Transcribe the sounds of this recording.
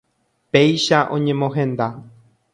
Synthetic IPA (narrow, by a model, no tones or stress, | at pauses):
pe̞jʃaʔõ̞̰ɲẽ̞mõɦẽ̞nd̪a